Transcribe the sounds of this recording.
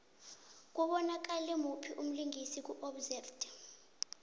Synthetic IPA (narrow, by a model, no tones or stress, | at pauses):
k̬uɓɔnak̬alɛmupʰiʔum̩liŋʱisik̬uʔɔbzɛfd